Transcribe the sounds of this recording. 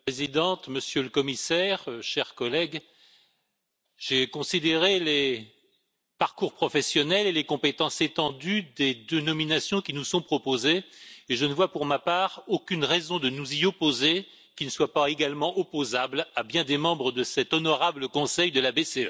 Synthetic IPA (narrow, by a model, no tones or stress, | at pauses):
pezid̪ɑ̃t̪məsjøləkɔmisɛʁʃɛʁkɔlɛɡ | ʒ̥ekɔ̃sid̪eʁele | paʁkuʁpχɔfɛsjɔnɛlelekɔ̃pet̪ɑ̃set̪ɑ̃d̪yd̪ed̪ənɔminasjɔ̃kʲinusɔ̃pχɔpozeːʒənəvwapuʁmapaːʁokʲynʁɛzɔ̃d̪ənuziɔpoze | kʲinəswapaeɡalmɑ̃ʔɔpozablabjɛ̃d̪emɑ̃bʁəd̪əsɛt̪ɔnɔʁabləkɔ̃sɛjd̪əlabeseø